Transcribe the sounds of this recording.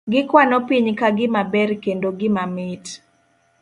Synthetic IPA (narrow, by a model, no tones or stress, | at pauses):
ɡɪkwanɔpiɲkaɡɪmabɛɾkendoɡɪmamɪt